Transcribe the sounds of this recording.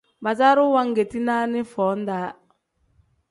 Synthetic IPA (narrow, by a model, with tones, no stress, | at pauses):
ba˨za˦ɾʊ˦wa˦ŋ˦ɡe˨ti˦na˦nɪ˦fɔː˨˦n˦daː˨˦